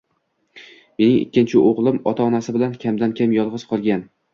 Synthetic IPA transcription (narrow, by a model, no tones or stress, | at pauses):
me̞nɪŋɪ̰kʲːɪnt͡ʃʰɪʔoʁlˠɪmɒt̪ʰaɒnasɪbɪlankʲʰamd̪ankʲʰamjɒlˠʁɨzqʰɒlˠɡʲan